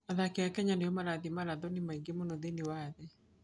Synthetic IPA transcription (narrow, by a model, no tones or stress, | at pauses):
aðakeakɛɲaneɔmaɾaðimaɾaðɔnemaiŋɡemonɔðenɪwaðɛ